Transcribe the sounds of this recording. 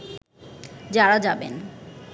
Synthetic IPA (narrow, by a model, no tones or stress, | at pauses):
d͡ʑaɾad͡ʑabḛn